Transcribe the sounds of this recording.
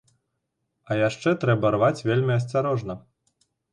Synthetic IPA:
ɐjaʂt͡ʂɛt̪ɾɛbɐrvat͡sʲvʲelʲmʲiɐs̬ʲt͡sʲaɾɔʐnɐ

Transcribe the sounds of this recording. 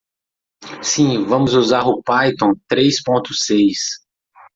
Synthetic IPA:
sĩvɐ̃mʊzuzaɾʊpajt̪õt̪ɾejspõnt̪ʊsejs

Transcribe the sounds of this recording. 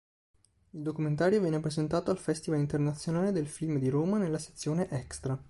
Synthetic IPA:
ild̪okument̪aːɾjovjɛːnepɾezent̪aːt̪oalfɛst̪ivalint̪ernat̪sːjonaːled̪elfilmd̪iɾoːmanelːase̥t̪sːjoːneʔɛkst̪ɾa

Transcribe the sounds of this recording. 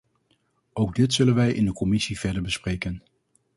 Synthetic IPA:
owɡ̚dɪtsɵlənʋɛjʔɪ̰ndəkɔmɪsivɛɹdəɹbəsprejkən

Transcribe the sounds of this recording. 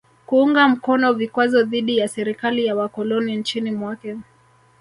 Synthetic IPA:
kuuŋɡam̩kɔnɔvikwazɔðiɗijasɛɾikalijawakɔlɔnint͡ʃinimwakɛ

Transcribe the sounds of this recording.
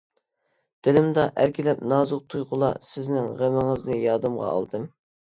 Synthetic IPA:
d̪̥ɪlɪmd̪ɑʔæɾkʲilɛp̚nɑːzʊq̚t̪ʰujʁʊlˠɑ̰sɪznɪŋʁemɪŋɨznɨjɑːd̪ɨmʁɑ̰ɑ̰lˠd̪ɨm

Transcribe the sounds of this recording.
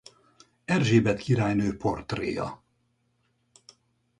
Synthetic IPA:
ɛrʒeːbɛt̪kʰiɾaːjnøːpo̞rt̪rḛːjɒ̰

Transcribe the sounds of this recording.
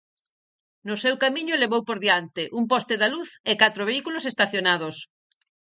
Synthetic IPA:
nʊsewkamiɲʊleβowpoɾðiant̪ɪʔumpɔst̪eðaluθekat̪ɾoβeikulosest̪aθjonað̞os

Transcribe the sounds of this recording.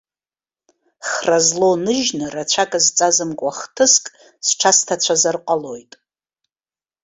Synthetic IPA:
χrazlonɨʒnɨrat͡ɕʷʰakʼazt͡sʼazɨmkʷʼaχtʰɨskʼ | sʈ͡ʂʰastʰat͡ɕʷʰazarqʷʼalo̞jtʼ

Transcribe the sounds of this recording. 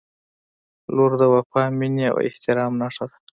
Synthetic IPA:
loɾd̪əwapɑminia̰wɪ̰ht̪ɪɾɑmnaʂad̪ḁ

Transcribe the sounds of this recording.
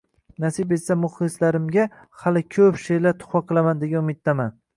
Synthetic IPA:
nasɪbesamʊχlɨslaɾɪmɡʲa | halɪkʲʰɵpʃelaɾt̪ʰʊ̥χwɑqʰɨlˠamand̪eɡʲanʊmɪt̪̚ːaman

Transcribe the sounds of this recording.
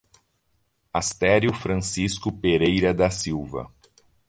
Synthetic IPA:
ast̪ɛɾjʊfɾɐ̃siskʊpeɾejɾɐd̪ɐsiwvɐ̰

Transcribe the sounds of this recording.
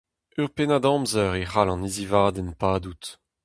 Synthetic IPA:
yʁpenad̪ɑ̃mzœʁeʁalɑ̃nizivaːd̪ɛnpaːd̪ut̪

